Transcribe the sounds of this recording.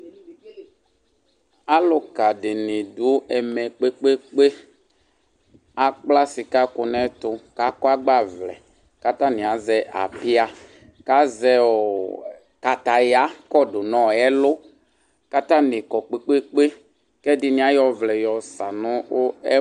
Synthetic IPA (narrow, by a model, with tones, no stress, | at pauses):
a˦lʊ˦ka˨dɪ˨nɪ˨dʊ˨˦ɛ˨mɛ˨k͡pe˦k͡pe˦k͡pe˦ | a˨k͡pla˦si˨ka˦kʊ˨nɛ˦t̪ʊ˨ka˨˦kɔ˦a˦ɡ͡ba˦˨vlɛ̰˨ | ka˦t̪a˦nĩ˨a˨˦zɛ˦ʔa̰˨pɪ˦a˦ | ka˦zɛ˦ɔ˨ | ka˨t̪a˨ja˨˦kɔ˦dʊ˨nɔ̃˦˨ɛ˦lʊ˦ | ka˦t̪a˦nɪ̃˨kɔ˨k͡pe˦k͡pe˦k͡pe˦ | kɛ˦dɪ˨nĩ˨˦a˦jɔ˨vlɛ˨jɔ˨sa˨nʊ̃˦wʊ˦ɛ˦